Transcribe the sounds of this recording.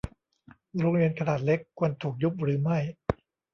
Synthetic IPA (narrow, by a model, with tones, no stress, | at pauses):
ɾoː˧ŋɾi˧ənkʰa˧naː˨˩t̪̚le˦˥kʰːu˧ənt̪ʰuː˨˩k̚ju˦˥p̚ɾɯː˩˦ma˥˩j